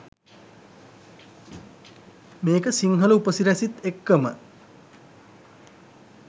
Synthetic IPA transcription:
meːkəsiŋɦələupəsiɾæsit̪ekːəmə

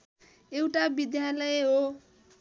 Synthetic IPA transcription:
ewʈabid̪jalʌeɦo

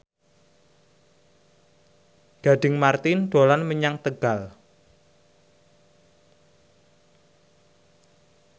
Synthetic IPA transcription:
ɡ̥a̤ɖɪŋmart̪ɪnd̪̥o̤lanməɲaŋt̪əɡ̥al

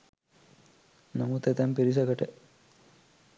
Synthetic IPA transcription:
nɐmut̪et̪ɐmpiɾisɐɡɐʈe

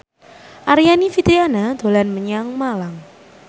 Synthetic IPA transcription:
ʔaɾijanifit̪ɾianad̪̥o̤lanməɲaŋmalaŋ

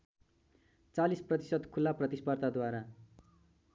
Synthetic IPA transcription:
t͡salisprʌt̪isʌd̪kʰulːaprʌt̪ispʌrt̪ad̪waɾa

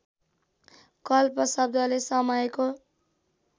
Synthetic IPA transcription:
kʌlpʌsʌb̚d̪ʱʌlesʌmʌjko

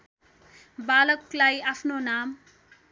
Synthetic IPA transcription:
balʌklajapʰnonam

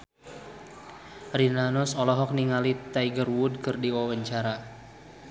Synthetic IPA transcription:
rinanusɔlɔɦɔk̚niŋalit̪ajɡərwud̚kɨrdiwawəɲt͡ʃaɾa

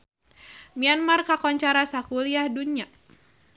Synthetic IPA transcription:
mianmarkakɔɲt͡ʃaɾasakuliahduɲa

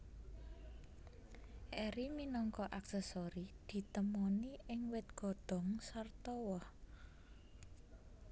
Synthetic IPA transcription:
ʔɛɾiminɔŋkɔʔaksɛsoɾid̪̥i̤t̪əmɔniʔɪŋwɪt̪̚ɡ̥ɔ̤d̪̥ɔ̤ŋsart̪ɔwɔh

